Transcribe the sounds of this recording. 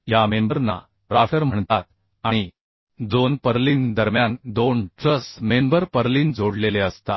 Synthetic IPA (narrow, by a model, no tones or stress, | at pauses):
jamembəɾna̰ | ɾafəɾm̤əɳt̪at̪̚ | aɽ̃i | d͡zonpəɾliːnd̪əɾmjand̪onʈɾəsmembəɾpəɾliːnd͡zʱoɽleleəst̪a̰